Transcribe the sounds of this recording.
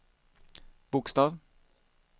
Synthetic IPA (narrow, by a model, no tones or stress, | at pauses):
b̥ʊkst̪ɑːv